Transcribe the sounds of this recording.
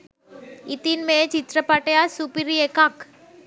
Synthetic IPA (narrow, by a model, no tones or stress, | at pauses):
it̪inmẽt͡ʃit̪ɾəpaʈjasupiɾiekak